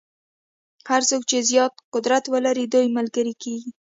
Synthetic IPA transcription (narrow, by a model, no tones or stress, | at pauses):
haɾsok̚t͡ʃezjɑt̪̚qʊd̪ɾat̪wəlaɾid̪ojməlɡəɾikeɡi